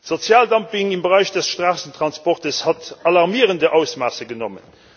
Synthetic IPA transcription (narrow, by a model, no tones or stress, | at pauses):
z̥ot͡sjaːldɑmpiŋimbəʁæɪɕd̥əsʃtʁaːsəntʁɑnspɔʁtəshɑtɑlɑʁmiəʁəndəʔaʊsmaːsəɡənɔmə̰n